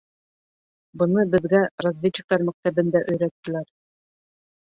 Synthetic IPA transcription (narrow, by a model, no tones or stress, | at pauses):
bɤ̆nɤbɘ̆ðɡærazʲvʲet͡ɕːɪ̥̆k̚t̪ɑɾmæk̚t̪æbɘ̆nd̪æʔɵ̆jɾæt̪ːɘ̆læɾ